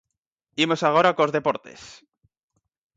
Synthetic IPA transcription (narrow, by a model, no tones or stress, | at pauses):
imo̞saɣ̞oɾakozðe̞po̞ɾt̪e̞̰s